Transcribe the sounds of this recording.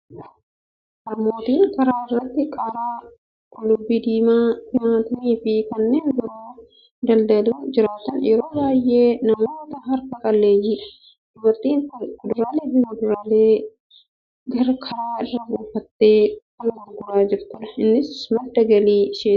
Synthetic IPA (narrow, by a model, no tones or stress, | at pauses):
nɐmo̞ːt̪iːŋkɐɾaːɪrːɐt̪ːɪkʼɐɾaː | kʼʊlʊbːiːd̪iːmaːk̪iɐnɐt̪ɐniːfɪkɐnːeːŋɡɐɾuː | d̪ɐld̪ɐlɐd͡ʒɪɾaːt̪ɐnjɛɾo̞ːbaːjʔeːnɐmoːt̪ɐɦɐɾkɐkʼɐlːeːjiː | ɪwɐt̪iːnd̪ʊɾaːleːd̪iːmɐd̪ʊɾaːleː | ɡɐɾɐkʰɐɾaːɪrːɐbuːfɐt̪ːe̞ːkɔlɐmɐɡʊɾaːd͡ʒɪɾt̪ɐnɐɪnːɪsmɐd̪ːɐɡɐliːʃeː